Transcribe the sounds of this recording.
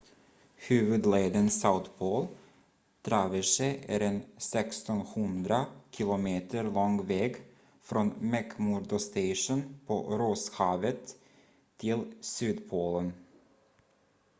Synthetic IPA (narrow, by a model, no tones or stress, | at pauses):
hʉ̟ːvɵd̪leːd̪ənsaʊt̪pʰoːl | d̪̥ɾɑvəʂɛʔæ̰ɾɛnsɛkst̪ɔnhɵnd̪ɾakʰɪlʊmeːt̪ʰəɾlɔŋvɛːɡ | fɾɔnmɛkmuɾd̪ɔst̪ɛɪʂənpʰɔ̰ɾoshɑːvət̪ʰː | ɪlsyːd̪pʰoːlən